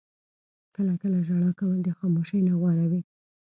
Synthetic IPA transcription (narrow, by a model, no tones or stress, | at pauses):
kəlakəlaʒaɽakawəld̪əxɑmoʃəjnaɣwɑɾawi